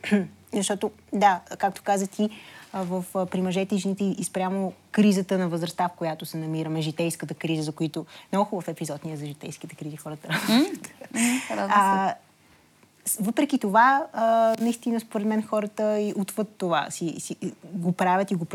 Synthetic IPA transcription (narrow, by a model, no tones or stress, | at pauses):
zɐʃt̪ɔt̪o | d̪akak̚t̪o̥kazət̪ivəfpɾimɐʒɛt̪ɛiʒɛnit̪ɛiʔispɾʲjamokɾizət̪ənɐvəzɾɐst̪afkojat̪osɛnɐmiɾəmɛʒit̪ɛjskət̪əkɾizəzɐkoit̪onoxovɐfɛpizɔt̪nijəzɐʒit̪ɛjsk̟it̪ɛ̥kɾizixɔɾət̪əɾat̪ɾaz | vɤpɾɛk̟it̪ova | nɐist̪inəspoɾɛd̪mɛnxɔɾət̪əiʔut̪vət̪ːova̰sisiɡopɾavʲət̪iɡop